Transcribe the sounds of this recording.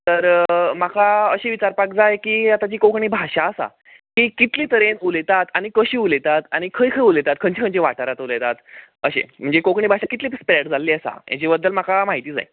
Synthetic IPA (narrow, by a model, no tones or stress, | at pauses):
t̪əɾmakʰaəɕeʋit͡ɕaɾpak̚d͡zajkiːat̪at͡ɕiːkokɳiːbʱaɕaəsa̰ | kiːkit̪liːt̪əɾenulet̪at̪añikəɕiːulet̪at̪añikʰəjkʰəjulet̪at̪̚kʰəɲt͡ɕikʰə̃nt͡ɕiʋa̰ʈaɾat̪ulet̪at̪ | əɕḛm̤əɳd͡zekokɳiːbʱaɕakit̪liːspɾɛʈd͡zʱalːiːəsa̰ja̰t͡ɕibəd̪ːəlmakamaɦit̪iːd͡za̰j